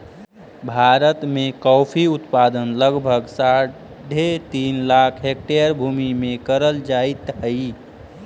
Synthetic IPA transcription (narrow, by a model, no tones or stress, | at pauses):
bʱaɾət̪mekɔpʰiut̪pad̪ənləɡbʱəɡsa | ɖʱet̪inlakʰɦek̚ʈejəɾbʱumimekəɾəld͡ʒait̪ɦəi